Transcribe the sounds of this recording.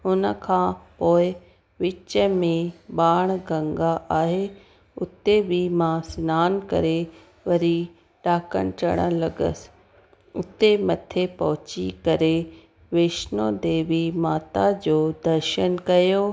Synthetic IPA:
ɦʊnə̆kʰãːpoːɪ | ʋɪt͡ɕəmẽɓaːɽ̃ɡɐ̃ŋɡaʔaːɦe | ʊt̪ebimãsɪnaːnkɐ̰ɾe | ʋɐɾi | ʈaːkə̰ñt͡ɕɐɽ̃ə̰̃lɐɡə̰sɪ̥ | ʊt̪emɐt̪ʰepɐɦʊt͡ɕḭkɐɾe | ʋeːʃnõd̪eːʋimaːt̪ad͡ʑoːd̪ɐɾʃənkɐjoː

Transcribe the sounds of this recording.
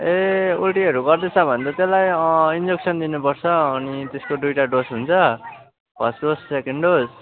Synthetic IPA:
eulʈiʌɾuɡʌrd̪et͡sʰʌbʱʌnt̪ʌt̪elajind͡zeksʰʌnd̪inupʌrt͡sʰʌːnit̪eskodujʈaɖosɦunt͡sʰʌ | pʌsɖossekeɳɖɖos

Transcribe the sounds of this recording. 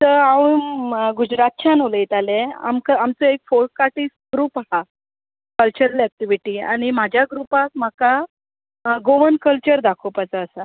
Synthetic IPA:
t̪əɾaʋunɡud͡ʑɾat̪̚t͡ɕʰanoləjit̪alea̰mkəamt͡sɔekfoɾʈ̚kːaʈisɡɾuːpaɦa | kəlt͡ɕəɾlɛk̚ʈiʋiʈiːa̰ɽ̃im̤ad͡ʑʱjaɡɾupak̚m̤aka | ɡoʋənkəlt͡ɕəɾd̪akʰopat͡səːsa

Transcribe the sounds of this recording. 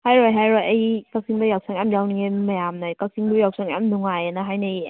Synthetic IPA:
hajɾɔjɦajɾɔjajkak̚siŋbajaw̚sʰaŋɛmjawnŋemajamnajkak̚siŋdujaw̚sʰaŋɛ̰mnuŋajanaɦajnej

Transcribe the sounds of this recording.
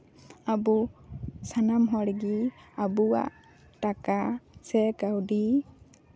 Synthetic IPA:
abusanamɦɔɽɛɡiabuwa̰ʔ | takasɛkawdi

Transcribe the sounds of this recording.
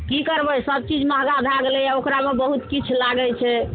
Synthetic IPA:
kikəɾbɛsəb̚t͡ʃid͡ʒməɦɡad̪ʱaɡelɛaokɾamebəɦut̪kit͡ʃʰlaɡɛlt͡ʃʰɛ

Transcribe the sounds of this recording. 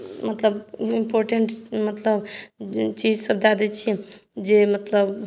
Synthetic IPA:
mət̪ləbimpoɾʈeɳʈmət̪ləb | t͡ʃid͡ʒsəbd̪ad̪ɛt͡ʃʰid͡ʒemət̪ləb

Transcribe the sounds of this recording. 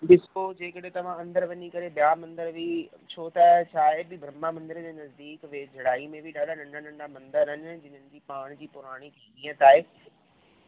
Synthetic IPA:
bɪskod͡ʑeːkɐɗẽt̪ɐʋ̤ãɐ̃nd̪əɾʋɐɲikɐɾeɓɪjaːmɐ̃nd̪əɾbi | t͡ɕʰoːt̪at͡ɕʰaːebʱɪbʱɾɐmamɐ̃nd̪əɾd͡ʑeːnɐzd̪iːkʋeːd͡ʑʱɐɽaːimẽbʱɪɗaːɽanɐ̃ɳɖanɐ̃ɳɖamɐ̃nd̪əɾɦənɪd͡ʑɪn̤ənɪ̆d͡ʑiːpaːɽ̃d͡ʑiːpʊɾaːɽ̃ikʰeːiːə̃t̪aːɪ

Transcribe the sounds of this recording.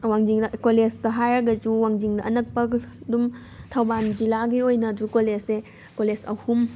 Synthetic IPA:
waŋd͡ʒiŋdɐkolestɐɦajɾɐɡɐd͡ʒuwaŋd͡ʒiŋdɐʔɐnɐk̚pɐdum | tʰɐwband͡ʒilaɡiojnɐdukolesse | kolesɐ̰hum

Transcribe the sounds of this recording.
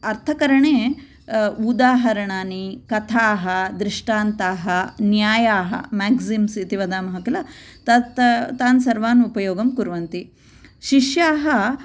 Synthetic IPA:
ɐɾt̪ʰɐkɐɾɐɳeː | ud̪aːɦɐɾɐɳaːnikɐt̪ʰaːɦɐd̪ɾɪʂʈaːnt̪aːɦɐnjaːjaːɦɐ̰maːɡsimsit̪iʋɐd̪aːmɐɦɐkilɐ | t̪ɐt̪t̪aːnsɐɾʋaːnupɐjoːɡɐmkuɾʋɐnt̪i | ʃiʃjaːɦɐ

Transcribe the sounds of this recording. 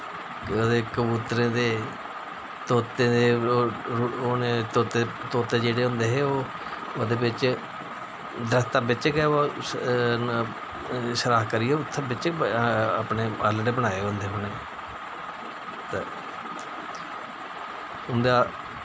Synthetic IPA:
koːd̪eːkəbuːt̪ɾẽːd̪eː | t̪oːt̪ẽːd̪eː | oːneːt̪oːt̪eːt̪oːt̪eːd͡ʒeːɽeːɦʊ̃nd̪eːɦeːoː | oːd̪eːbɪt͡ʃ | d̪ɾəst̪aːbɪt͡ʃəkɛːoː | ʃəɾaːkəɾiːɛːʊt̪ʰːabɪt͡ʃəka̰ːpneːəɾləʈeːbənaːeːɦʊ̃nd̪eːɦʊneː | t̪e | ɦʊnd̪aː

